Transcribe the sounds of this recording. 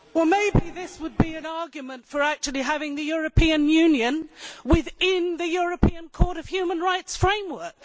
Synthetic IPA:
wɛlˠmeɪbiðɪswəd̚biɨ̃nɑɹɡjɨmɨ̃ntfə˞æk̚t͡ʃʉl̩ˠiɦævɪ̃ŋðɨjʊɹɨpʰiɨ̃njʉ̃njɨ̃nwɪðɪ̃nðɨjʊɹɨpʰiɨ̃nkʰɔɹɾʌv̥hjʉmə̃nɹaɪtsfɹẽɪ̃mwɜ˞k

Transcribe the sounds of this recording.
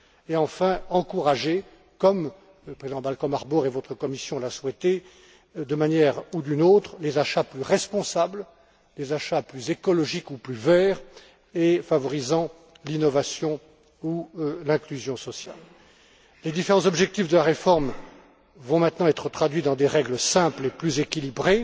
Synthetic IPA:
eɑ̃fɛ̃ɑ̃kuʁaʒe | kɔm | ləpχezid̪ɑ̃balkɔ̃maʁbɔʁevɔt̪χəkɔmisjɔ̃laswɛt̪e | d̪əmanjɛʁud̪ynot̪χlezaʃaplyʁɛspɔ̃sabl | lezaʃaplyzekɔlɔʒikuplyvɛːʁ | efavɔʁizɑ̃ | linɔvasjɔ̃ | ulɛ̃klyzjɔ̃sɔsja̰lː | ed̪ifeʁɑ̃zɔbʒɛk̚t̪ifd̪əlaʁefɔʁm | vɔ̃mɛ̃t̪nɑ̃ɛt̪χət̪χad̪ɥid̪ɑ̃d̪eʁɛɡləsɛ̃pleplyzekʲilibʁe

